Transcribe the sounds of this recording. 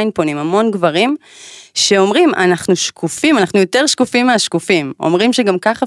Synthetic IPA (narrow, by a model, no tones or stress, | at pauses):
jnpo̞nimamo̞nɡvaʁimʃe̞o̞mʁima̰naχnuʃkʰufimanaχnujo̞teʁʃkufimːeaʃkufimo̞̰mʁimʃeɡamkaχa